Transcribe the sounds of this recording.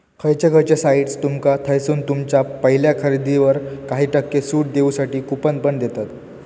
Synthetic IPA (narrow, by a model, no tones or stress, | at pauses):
kʰəjt͡ɕeɡʱəɾt͡ɕesaiɽst̪umkat̪ʰəjsuːnt̪umt͡ɕjapəɦiljakʰəɾid̪iʋəɾkaɦiːʈəkːesuːʈ̚d̪eusaʈiːkupənpəɳd̪et̪at̪